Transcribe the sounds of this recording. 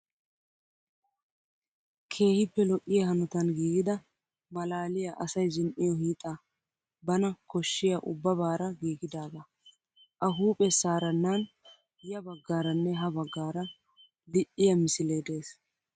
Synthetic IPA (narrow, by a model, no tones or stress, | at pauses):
kʰe̞ːhɪpːɛlɔʔʼːɪjɐhɐnɔt̪ɐnɡiːɡɪd̪ɐ | mɐlaːlɪjɐʔɐsɐjzɪnʔɪjɔhiːt̪ʼa | bɐnɐkɔʃːɪjɐʔʊbːɐβaːɾɐɡiːɡɪd̪aːɡ̪ɐ | ʔɐɦuːpʼɛsaːɾɐnːaːn | jɐbɐɡːaːɾɐnːɛɦɐbɐɡːaːɾɐ | lɪʔːɪjɐmɪsɪleːd̪e̞ːs